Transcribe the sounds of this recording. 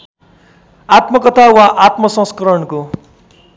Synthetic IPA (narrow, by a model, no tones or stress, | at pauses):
at̪mʌkʌt̪ʰawaʔat̪mʌsʌ̃ŋskʌɾʌɳko